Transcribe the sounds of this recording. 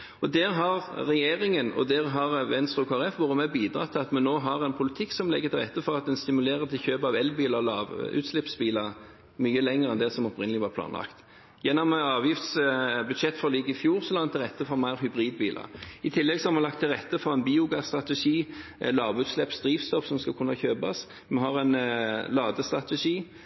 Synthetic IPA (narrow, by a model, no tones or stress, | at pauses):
ɔd̪ɛːɾɦɑʁɾɛjeːʁɪŋənɔ̰d̪ɛːʁɦɑʁʋɛnst̪ɾʉkʰoæɾɛfʋʊʁəmɛbiːd̪ɾɑ̰t̪ʰːɪlɑt̪mɛnoːɦɑʁɛnpʰʊlɪt̪ʰɪkːsɔmlɛ̰ɡːət̪ʰɪlʁɛt̪ːəfɔʁɑt̪̚d̪ɛnst̪ɪmʉleːʁət̪ʰɪlçøːpɑʋɛlbiːləlɑ̰ːʋʉ̰ːt̪slɪpsbiːləʁ | myːəlɛŋəʁɛnd̪ɛsɔmɔpɾɪnəlɪʋɑːɾpʰlɑ̰ːnlɑ̰kt̪ | jɛnːɔmɑːʋjɪft̪sbʉd̪ʃɛt̪ːfɔliːɡəɪfjuːɾsɔlɑŋt̪ʰːɪlʁɛt̪ːəfɔmæɪɾɦʉbʁiːd̪biːlɑ̰ɪt̪ʰɪlːɛɡsɔhɑɾmɑnlɑk̚t̪ʰːɪlʁɛt̪ːəfɔʁɛnbiːʊɡɑst̪ʁɑt̪ɛʂiːɛlɑːʋʉːt̪slɛpsd̪ɾiːʋst̪ɔfsɔmskɑlkʰʉnːɑçøːbɑ̰s | mɛɦɑʁɛnlɑːd̪əst̪ɾʁɑt̪ɛʂiː